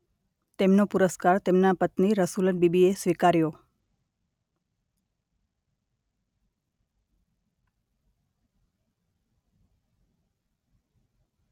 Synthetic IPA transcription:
t̪emnopuɾəskaɾt̪emnapət̪niɾəsulənbibiesʋikaɾjo

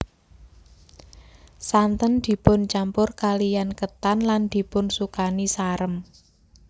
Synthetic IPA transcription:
sant̪ənd̪̥i̤pʊnt͡ʃampʊrkalijankət̪anland̪̥i̤pʊnsukanisaɾəm

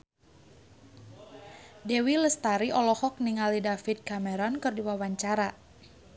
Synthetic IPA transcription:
dɛwiləst̪aɾiʔɔlɔhɔk̚niŋalidafit̪̚kamɛɾɔnkɨrdiwawaɲt͡ʃaɾa

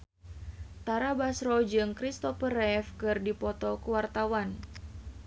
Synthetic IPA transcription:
t̪aɾabasɾɔd͡ʒɨŋkɾist̪ɔfəɾɛfkɨrdipɔt̪ɔkəwart̪awan

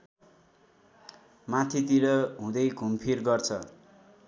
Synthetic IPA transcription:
mat̪ʰit̪iɾʌɦũd̪ʌjɡʱumpʰirɡʌrt͡sʰʌ

